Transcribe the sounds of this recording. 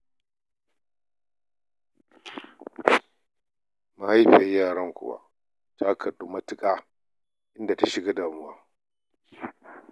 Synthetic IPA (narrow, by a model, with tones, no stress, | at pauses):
ma˨ha˦jɸa˨jjaː˦˨ɽɐ˦ŋkʷʊ̰˨wa̰˦ | tʰa˦kʰɐ˨ɗu˦mɐ˦tɪ˦kʼaː˦ | ʔɪ˦nda˨ta˦ʃɪ˨ɡa˦daː˨mʊ˦waː˦